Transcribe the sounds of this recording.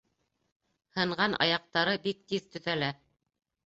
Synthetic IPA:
hɤ̆ɴɢɑnʔɑ̰jɑq̚t̪ɑɾɤbik̚t̪iðt̪ɵ̆θælæ

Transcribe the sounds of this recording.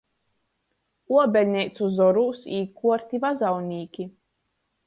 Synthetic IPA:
uɔbʲɛlʲnʲɛjt̪suzɔɾuːsiːkuɔɾt̪ʲivazawnʲiːkʲi

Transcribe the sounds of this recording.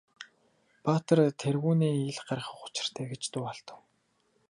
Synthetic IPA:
pat̪ə̆rt̪ʰerɣuːniːiɮɢarə̆χʊ̥t͡ɕɪ̥̆r̥t̪ʰæːɡet͡ɕt̪ʊːɔɮt̪ə̆w

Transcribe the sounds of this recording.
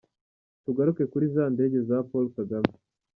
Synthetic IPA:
tuɡaɾuke̞kuɾizaːnde̞ːɟe̞zapolkaɡame

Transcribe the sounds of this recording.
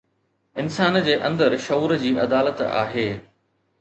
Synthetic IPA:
ɪnsaːnd͡ʑeːʔɐ̃nd̪əɾʃɐuːɾd͡ʑiːʔɐd̪aːlət̪a̰ːɦeː

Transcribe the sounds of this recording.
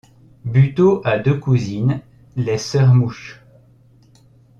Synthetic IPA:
byt̪oʔad̪økuzin | lɛsœʁmuʃ

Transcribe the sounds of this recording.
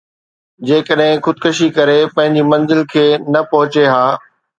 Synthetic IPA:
d͡ʑeːkəɗɦɪ̃xʊd̪̚kʊʃikɐɾepɐ̃ɦɪ̃ɲd͡ʑimɐ̃nzɪlkʰeːnɐpɐɦʊt͡ɕeɦaː

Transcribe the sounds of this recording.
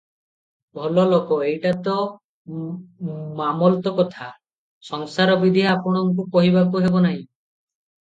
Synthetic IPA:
bʱɔlɔlokɔejʈat̪ɔ | mamɔlt̪ɔkɔt̪ʰa | sɔŋsaɾɔbid̪ʱiaapɔɽ̃ɔŋkukɔɦibakuɦebɔnaɦĩ

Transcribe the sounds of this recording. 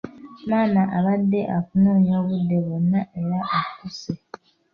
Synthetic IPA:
maːnaʔaβadːe̞ʔafunoːɲoβudːeβonːaʔeɾaʔakuse

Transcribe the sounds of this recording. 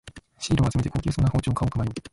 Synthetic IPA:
ɕiːɾoːhad͡ʑzime̞t̪eko̞ːkʲiːsoːnːaho̞ːt͡ɕoːkʰaokɯmaɾo

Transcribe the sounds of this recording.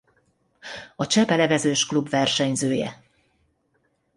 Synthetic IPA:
ɒt͡ʃɛpɛlɛvɛzøːʃklubvɛrʃɛɲzøːjɛ̰

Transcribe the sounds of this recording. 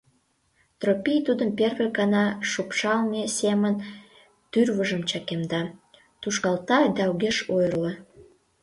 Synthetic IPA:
t̪ropijt̪ud̪əmperβekɑnɑʃupʃɑlnesemən | t̪yrβəʒəmt͡ɕɑkemd̪ɑ | t̪uʃkɑlt̪ɑd̪ɑuɣeʃojrlo

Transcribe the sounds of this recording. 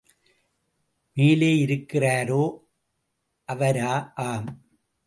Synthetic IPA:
meːleːɪɾɯkːɪraːɾoː | ʔɐʋɐɾaːʔaːm

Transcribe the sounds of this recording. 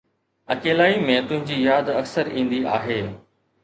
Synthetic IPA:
ɐkeːlaːimẽt̪ʊ̃ɦɪ̃ɲd͡ʑiːjaːd̪ɐksəɾĩːnd̪iʔa̰ːɦeː

